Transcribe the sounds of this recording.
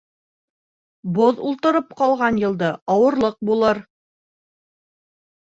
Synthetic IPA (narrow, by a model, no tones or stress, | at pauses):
boðulˠt̪ɤ̆ɾɤp̚qɑlˠʁɑnjɤ̆lˠd̪ɤɑwɤ̆ɾlˠɤq̚bulˠɤɾ